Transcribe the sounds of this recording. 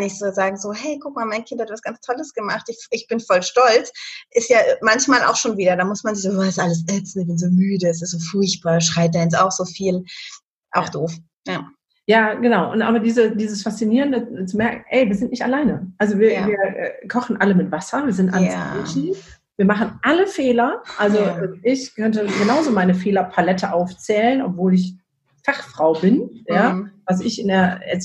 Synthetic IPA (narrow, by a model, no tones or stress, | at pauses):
nɪçtz̥oːzaːɡŋ̩zoːhɛɪkʰʊk̚maːlmaɪnkʰɪnthatvasɡ̥ant͡stʰɔləsɡ̥əmaχtɪçʔɪçb̥ɪnfɔlʃtɔlt͡sʔɪstjaːmançmaːla̰ʊxʃoːnviːdɐdamʊsmanzɪçzoɛstʔaləs̬ɛt͡sn̩ɪçb̥ɪnzoːmyːdəɛs̬ɪstz̥oːfʊɐçt̚b̥aːɐʃʁ̥aɪd̥aːjɛt͡s̬aʊxz̥oːfiːl | ʔaʊxd̥oːf | ja | jaːɡ̥ənaʊʔʊntʔaːbɐdiːzədiːzəsfast͡siniːʁəndət͡sumɛɐkŋ̩ʔɛɪviːɐzɪntnɪçtalaɪnəʔalzoviːɐviːɐʔɛ̰ːkʰɔχn̩ʔaləmɪtv̥asɐviːɐzɪntʔa̰lɪːʃn̩ | viːɐmaχn̩ʔaləfeːlɐʔalzoʔɛːmɪçkʰœntəɡənaʊzoːmaɪnəfeːlɐpʰalɛtʰəʔaʊft͡sɛːlənʔɔ̰pv̥oːlɪç | faχfʁ̥aʊbɪnjaːvas̬ɪçɪndeːɐɛ̰